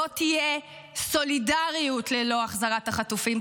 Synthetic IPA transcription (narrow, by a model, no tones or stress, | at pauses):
otije | so̞lidaʁijutlelo̞aχzaʁataχatufim